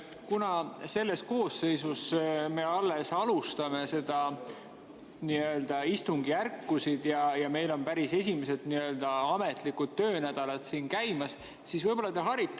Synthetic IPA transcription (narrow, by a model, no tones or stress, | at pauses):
kunɑse̞lːe̞sko̞ːsːe̞jsusme̞ɑlːe̞sɑlust̪ɑme̞se̞d̪̥ɑ | niø̞ld̪̥ɑist̪uŋɡ̥iærkˑːusid̪̥jɑjɑme̞jlo̞npæɾise̞sʲimese̞d̪̥niø̞ld̪̥ɑɑme̞t̪ˑlikud̪̥t̪ːø̞ːnæd̪̥ɑlɑd̪̥siːnkæjmɑs | sisvɤjb̥o̞lːɑt̪eɦɑɾit̪ːˑ